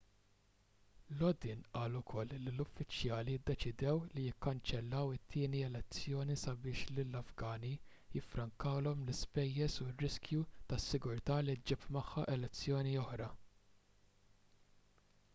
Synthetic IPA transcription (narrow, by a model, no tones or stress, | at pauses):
lɔd̪ɪːnʔɐːlʊkʰɔlːlːilʊfːɪt͡ʃjɐːlijɪd̪ːɛt͡ʃɪd̪ɛwlijɪkːɐnt͡ʃɛlːɐwɪt̪ʰːɪːniɛlɛt͡sːjɔːnisɐbɪːʃlɪlːɐfɡɐːni | jɪfɾɐŋkɐwlɔmlɪspɛjːɛsurːɪskjut̪ɐsːɪɡʊɾt̪ɐːlid͡ʒɪpmɐħːɐʔɛlɛt͡sːjɔːniɔħɾɐ